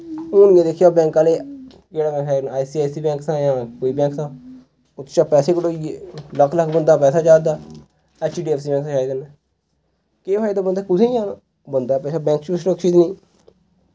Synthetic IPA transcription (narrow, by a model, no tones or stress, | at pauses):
oːnɡẽːd̪eːkʰjaːbɛ̃ːŋkaːleː | d͡ʒeːɽaːbɛ̃ːaːinaːisiːaːsiːbɛ̃ːŋksʰãːjãːkoːiːbɛ̃ːksãː | ʊt̪ʰːt͡ʃaːpɛːseːkəɽoːiləkʰləkʰbənd̪aːpɛːsaːt͡ʃaːd̪aː | ɛːt͡ʃːɖiːɛːfsiːbɛ̃ːŋksãt͡ʃaːid̪ən | keːʋaːid̪aːbənd̪aːkʊsẽːjãːna | bənd̪aːpɛːsaːbɛ̃ːŋkt͡ʃːsɾəkʃiːt̪nĩː